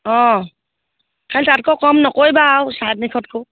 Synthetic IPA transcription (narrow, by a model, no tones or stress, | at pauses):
ɔ̃ | kʰaltatkɔkɔmnɔkojbawsat̚nikʰɔt̚kʰo